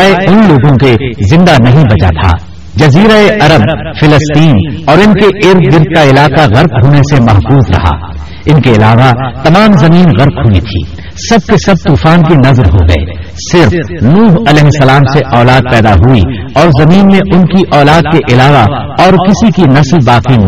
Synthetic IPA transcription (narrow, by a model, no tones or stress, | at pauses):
eʊnloːɡõkezɪ̃nd̪anɐɦĩbɐd͡ʒa̰t̪ʰa̰ː | d͡ʒɐziːɾaeʔɐɾəbfɪləst̪iːnɔːɾɪnkeʔɪɾd̪ɡɪɾd̪̚kaɪlaːqaɣɐɾkɦoːnesemɐɦfuːzɾɐ̰ɦa̰ː | ɪnkeɪlaːʋat̪ɐmaːmzɐmiːnɣɐɾqɦuḭt̪ʰḭː | sɐb̚kesɐb̚t̪uːfaːnkinɐzɾɦoɡɐ̰ḛː | sɪɾfnuːɦɐlɛːɦɪsːɐlaːmseʔɔːlaːd̪̚pɛːd̪aɦui | ɔːɾzɐmiːnmẽʔʊnkiʔɔːlaːd̪̚keʔɪlaːʋaɔːɾkɪsikinɐslbaːqin